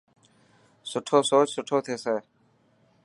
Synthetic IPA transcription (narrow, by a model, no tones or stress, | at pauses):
sʊʈʰoːsoːt͡ʃsʊʈʰoːt̪ʰeːseː